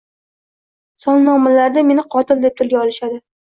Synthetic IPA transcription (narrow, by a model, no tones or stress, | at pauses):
sɒnnɒmalaɾd̪ame̞nɪqʰɒt̪ɪld̪e̞p̚t̪ʰʊlˠɡʲaɒlˠɪʃad̪ɪ